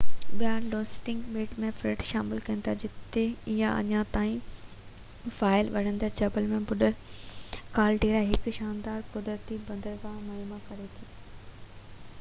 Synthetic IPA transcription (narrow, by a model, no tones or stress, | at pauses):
ɓjaːloːsʈɪ̃ŋɡɓeːʈmẽfɾɪːʈʃaːmɪlkɐə̃nt̪ad͡ʑɪt̪eɪjãɐ̰ɲãt̪aːĩ | faːɪlʋɐɽ̤ə̃nd̪əɾt͡ɕɐbəlmẽbʊɗə | kaːlʈeːɾaɦɪkʃaːnd̪aːɾkʊd̪ɾət̪ibɐ̃nd̪əɾkãmaːmakɐɾet̪ʰiː